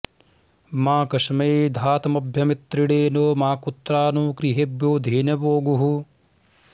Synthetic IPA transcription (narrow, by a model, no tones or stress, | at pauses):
maːkɐʂmɐjd̪ʱaːt̪ɐmɐbʱjɐmit̪ɾiɽeːnoːmaːkut̪ːɾaːnuːkɾiɦebjoːd̪ʱiːnɐboːɡuɦu